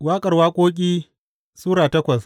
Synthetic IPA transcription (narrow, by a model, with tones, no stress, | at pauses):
waː˦kʼɐ˨rwaː˦kʷʼoː˦k̬ʲʼiː˦ | suː˦ɽaː˨tɐ˦kʷɐ˨s